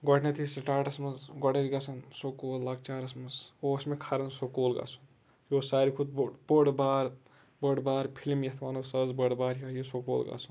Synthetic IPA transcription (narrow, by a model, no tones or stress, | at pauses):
ɡɔʈʰnɐt̪ʰisʈaːʈɐsmɐzɡɔɽeɾɡɐsʰɐnsokoːlːaɡ̚t͡ʃaːɾɐsmɐzosmekʰaɾɐnsokoːlɡa̰ːsun | joːsaːɾikʰud̪̚boɽbaːɾ | bəɽbaːɾpʰilmjɐt̪ʰʋaːnusɐzbəɽbaːɾjɐjosoko̰ːlɡa̰sʰun